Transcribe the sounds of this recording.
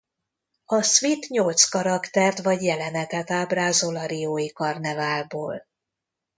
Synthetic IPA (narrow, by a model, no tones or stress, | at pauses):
ɒsʋit̪ɲolt̪skɒɾɒkt̪ɛrt̪ʋɒɟjɛlɛnɛt̪ɛt̪aːbraːzolɒɾijoːjikɒrnɛvaːlboːl